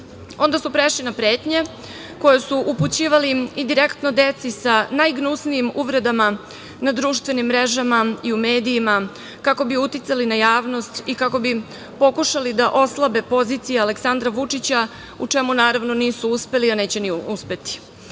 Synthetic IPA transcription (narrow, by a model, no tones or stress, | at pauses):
o̞nd̪asupɾeʃlinapɾe̞ːt̪ɲe̞ | ko̞jesuʔuput͡ɕiːʋaliid̪iɾekt̪nod̪e̞t̪sisanajɡnusnijimuʋɾe̞d̪ama | nad̪ɾuːʃt̪ʋe̞nimːɾe̞ʒamaiume̞ːd̪ijːma | kako̞biut̪it̪salinajaːʋno̞st̪ikako̞bi | po̞kuʃalid̪aʔo̞slˠabe̞po̞ziːt̪sijaale̞ksand̪ɾaʋut͡ʂit͡ɕa | ut͡ʂe̞munaːɾaʋno̞niːsuuspe̞lianeːt͡ɕe̞niuspe̞t̪i̥